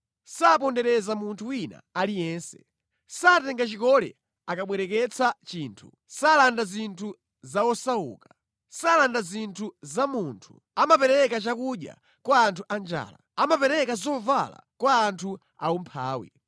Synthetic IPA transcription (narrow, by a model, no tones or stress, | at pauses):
sap̬ɔndɛɾɛzamuntʰuwina̰ːlijɛnsɛ̥ | saːtɛŋɡat͡ʃikɔlɛ̰ | akaɓwɛɾɛkɛt͡sʰat͡ʃiːntʰu | salandazintʰu | zawɔsaṵːkḁ | salandazintʰuzamuntʰu̥ | amapɛɾɛkat͡ʃakuɗja̰ | kwaːntʰuʔand͡ʒa̰ːlaamapɛɾɛkazɔva̰la̰kwaːntʰu | a̰umpʰa̰ːwḭ